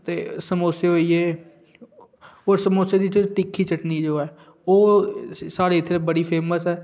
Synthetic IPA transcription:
t̪ḛːsəmoːseɦoːiːeː | oːɾsəmoːsjed̪it͡ʃot̪ɪkʰːiːt͡ʃəʈniːd͡ʒoːɛː | oːsaːɽeːɪt̪ʰːebəɽiːpʰeːməsɛː

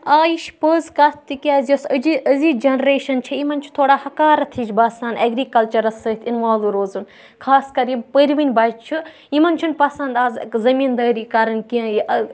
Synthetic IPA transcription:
aːjiʃpəːzkat̪ʰt̪ikʲaːzʲosəd͡ʒiəzid͡ʒɐnɾeːʃɐnt͡ʃʰiimɐnt͡ʃʰu̥t̪ʰoːɽaːhɐkaːɾɐt̪ʰid͡ʒʲbaːsand̪ɐɡɾiːkɐlt͡ʃɐɾɐsəːt̪ʰinʋaːluɾoːzun | kʰaːskɐɾipəɾʲʋinʲbaːd͡ʒt͡ʃʰi | imɐnt͡ʃʰunpɐsɐnd̪aːzkzɐmiːnd̪ɐːɾiːkaɾɐnkiə̃jiʔɐ

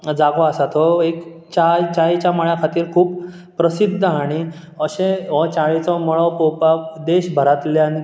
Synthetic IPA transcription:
d͡zaɡɔasat̪ɦɔek | t͡ɕat͡ɕait͡ɕaməɭjakʰat̪iːɾkʰuːpː | ɾəsid̪ʱːəaɽ̃i | əɕẽʋɔt͡ɕaɭit͡sɔmɔɭɔpɔwpad̪eɕbʱəɾat̪ljani

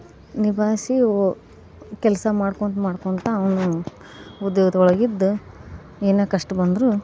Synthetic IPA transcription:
nibʱaːsi | kɛlsɐmaːɽkonmaːɽkont̪ɐːʋɐnu | ud̪ːjeːɡt̪ɔɭɐɡid̪ːu | eːneːkɐʂʈɐbɐnd̪ɾu

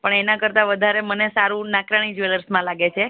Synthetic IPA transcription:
pəɳenãkəɾt̪aʋəd̪ʱaɾemənesaɾũnãkɾaɽ̃id͡ʒʋeləɾsmãlaɡet͡ʃʰe

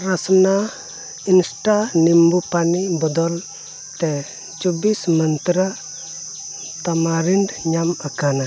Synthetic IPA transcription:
ɾasna | insʈanimbupanibɔd̪ɔl | t̪e | t͡ʃubismənt̪ɾa | t̪amaɾindɲamakana

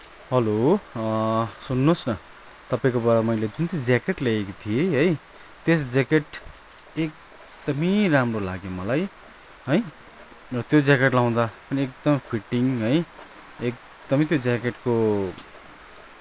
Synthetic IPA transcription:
ɦʌlo | sunːosnʌ | t̪ʌpaĩkobaɾamʌjled͡zunt͡sʌd͡zjakeʈleekot̪ʰijeɦʌj | t̪esd͡zekeʈ | ek̚ | d̪ʌmiramrola̰ɡjomʌlaj | ɦʌj | rʌt̪jod͡zjakeʈlaw̃d̪apʌniek̚d̪ʌmpʰiʈiŋɦʌj | ek̚ | d̪̥ʌmʌ̃t̪jod͡zakeʈko

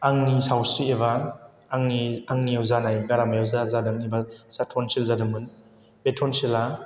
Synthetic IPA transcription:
aŋnisawsɾiebaː | ŋniaŋnijawzanajɡaɾamajawzazadɯmnibasatʰɔnsilzadɯmɯn | betʰɔnsila

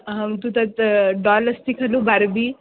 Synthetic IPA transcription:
ɦɐmt̪ut̪ɐt̪ɖɔlɐst̪ikʰɐlubaɾbi

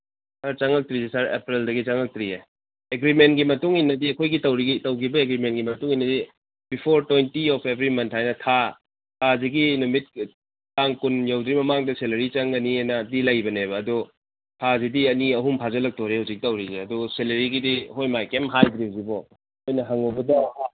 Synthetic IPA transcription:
sɐɾt͡ʃɐŋɐk̚tɾisisɐɾḛpɾeldɐɡit͡ʃɐŋɐk̚tɾie | eɡɾimentɡimɐtuŋinːɐdiɐkʰojɡitɐwɾiɡitɐwkʰibɐeɡɾimentɡimɐtuŋinːɐdi | bipʰoɾtwejntiɔpʰebʱɾimɐntʰhajnɐtʰa | tʰaziɡinumit̚ | kaŋkunjawdɾimɐmaŋdɐselɐɾit͡ʃɐŋɐnienɐdilɐjbɐnebɐːdu | tʰazidiɐniɐɦumpʰazɐlɐk̚toɾehawzik̚tɐwɾizeɐduselɐɾiɡidiɦojmajkemɦajdɾiuzibɔ | ojnɐɦaŋowbɐdɐha

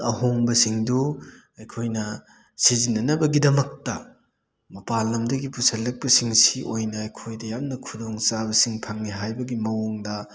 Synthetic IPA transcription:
ɐɦoŋbɐsiŋdu | ɐjkʰojnɐ | sizinːɐnɐbɐɡidɐmɐk̚tɐ | mɐpalːɐmdɐɡipusɐlːɐk̚pɐsiŋsiʔojnɐɐjkʰojdɐjamnɐkʰudoŋsabɐsiŋpʰɐŋːiɦajbɐɡimɐwoŋdɐ

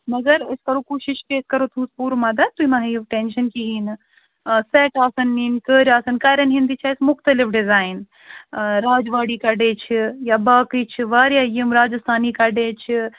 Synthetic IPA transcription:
mɐɡɐɾɐskɐɾokuːʃɪʃkeskɐɾot̪ʰũːspuːɾmɐd̪ɐt̪uimɐɦɐjʋʈeːnʃɐnkiɦiːn | seʈaːsɐnːiːnkəːɾʲaːsɐnkɐːɾɐnɦind̪it͡ʃʰaːsmʊxt̪ɐlɪfʰɖɪzaːin | ɾaːd͡ʒʋaːɽiːkɐɖeːt͡ʃʰijabaːkit͡ʃʰiʋaːɾjaːjəmɾaːd͡ʒɐst̪ʰaːnikɐɖeːt͡ʃʰi

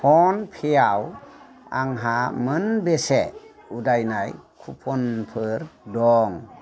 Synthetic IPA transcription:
pʰɔnpʰejaw | a̰ŋɦamɯnbese | udajnajkʰupʰɔnpʰɯɾdɔŋ

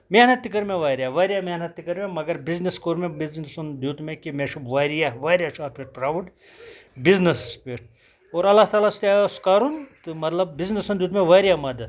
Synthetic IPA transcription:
meɦnɐt̪ːikːɐɾmẽʋaːɾʲijaʋaːɾijaːmenɐt̪ːikɐɾmẽmɐɡɐɾbizniskoːɾmẽbiznisund̪juːt̪mẽkimeʃubʋaːɾijaʋaːɾjat͡ʃʰaːɾpʰiɾpɾaːʋəʈ | biznispʰiɾ | oːɾɐlːaɦt̪aːlast̪ʲaːskaːɾunt̪ɨmɐt̪lɐb̚biznisɐnd̪juːt̪mẽʋaːɾijamɐd̪

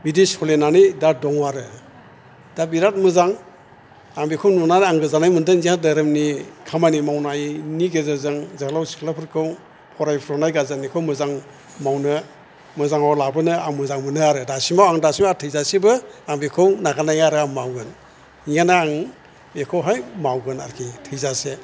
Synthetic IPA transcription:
bidiskʰɔlenanijdadɔŋwaɾɯ | d̥abiɾat̚mɯzaŋ | aŋbikʰɯwnɔnanaŋɡɯzanajmɯndɯŋziadaɾɯmnikʰamanimawnajniɡezazɯŋzakʰlawsi̥kʰlapʰɯɾkʰɯw | pʰɔɾajpʰɾɔnajɡazanikʰɯwmɯzaŋ | mawnɯ | mɯzaŋawlabɯnɯaŋmɯzaŋmɯnɯaɾɯdasimawaŋdasimaatʰɯjzasibɯaŋbikʰɯwnaɡanajaɾɯaŋmawɡɯn | ijanaaŋ | ekʰɯwɦajmawɡɯna̰ɾkʰitʰɯjzase

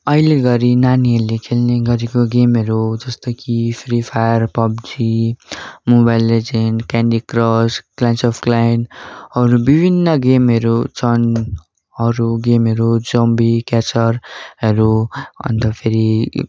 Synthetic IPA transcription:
ʌileɡʌɾinaniʌlekʰelneɡʌɾikoɡemʌɾud͡zʌst̪ʌkipʰɾipʰajʌɾpʌbd͡zi | mubajlːed͡zenkanɖikrʌsklajnsopʰklanɦʌɾubibʱinːʌɡemɦʌɾut͡sʌn | ʌɾuɡemʌɾud͡zʌmbikat͡sʌɾɦʌɾuʌ̰nt̪ʌpʰeɾi

